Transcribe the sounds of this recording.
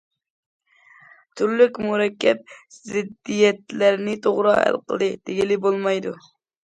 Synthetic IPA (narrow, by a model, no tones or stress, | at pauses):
t̪ʰyɾlykʲmuɾɛkʲːɛp̚z̥ɪd̪ːijɛt̪læɾnɪt̪ʰoʁɾɑ̰hæ̰lˠqʰə̰lˠd̪ɨd̪̥eɡʲilɪbolˠmɑjd̪u